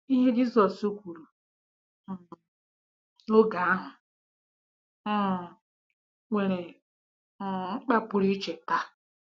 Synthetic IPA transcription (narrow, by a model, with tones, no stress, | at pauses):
i˦ɦe˦d͡ʒi˦zɔ˨su˦kʷu˨ɾu˨ | o˦ɡa˨a˦ɦʊ˨˦˨ | ŋʷe˨ɾe˨˦˨ | ŋ͡m̩˦k͡pa˦pʊ˨ɾi˦t͡ʃe˨ta˦